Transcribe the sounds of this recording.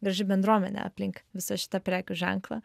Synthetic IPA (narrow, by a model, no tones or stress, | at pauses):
ɡɾɐʒʲɪbʲɛnd̪ɾuɔmʲɛnʲɛ̰ɐ̰pʲlʲɪŋkʋʲɪsɐʃʲɪ̥t̪ɐpʲɾʲæːkʲʊʒʲɛ̰ŋklˠɐ̰